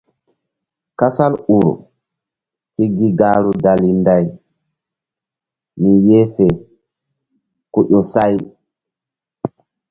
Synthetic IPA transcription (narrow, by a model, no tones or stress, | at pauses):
kasaluɾ̰ | kiɡiɡaːɾudalindaj | mijɛfɛ | kuɗɔsaj